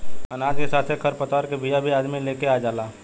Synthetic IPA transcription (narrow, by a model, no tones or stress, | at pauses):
ɐnaːd͡ʒkesaːt̪ʰekʰəɾpət̪aːɾkebʱijabʱiaːd̪mileːkeaːd͡ʒaːlaː